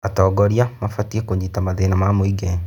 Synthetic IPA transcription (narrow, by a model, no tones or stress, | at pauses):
atɔɡɔɾiamafatiekoɲitamaðenamamwiɡɛ